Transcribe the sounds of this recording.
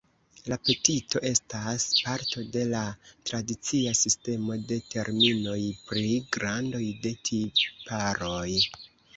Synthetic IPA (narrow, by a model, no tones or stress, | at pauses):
lape̞tito̞ʔe̞staspaɾto̞de̞latɾadit͡siasiste̞mo̞de̞te̞ɾmino̞jpɾiɡɾando̞jde̞tʰipaɾo̞j